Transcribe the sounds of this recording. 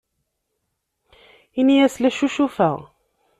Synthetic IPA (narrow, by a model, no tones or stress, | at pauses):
inijæslæʃuʃufæʁ